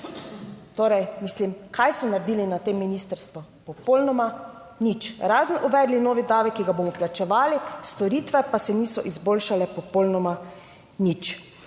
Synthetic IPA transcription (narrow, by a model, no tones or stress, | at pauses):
t̪oːɾɛjmislimkʰajsɔnaɾɛd̪iːlinat̪emːinist̪əɾst̪ʋɔpɔpoːlnɔma | nit͡ʃɾaːzənʔuʋɛːd̪linoːʋid̪aːʋikːiɡaboːmɔplat͡ʃɛʋaːlist̪ɔɾiːt̪ʋɛpasɛniːsɔʔizboːlʃalɛpɔpolnɔma | nit͡ʃ